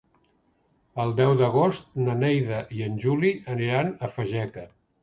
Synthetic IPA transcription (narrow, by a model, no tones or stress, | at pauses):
əlˠd̪ɛwðəɣ̞ost̪̚nənɛjðəʔiənʲʒuliəniɾanəfəʒɛkə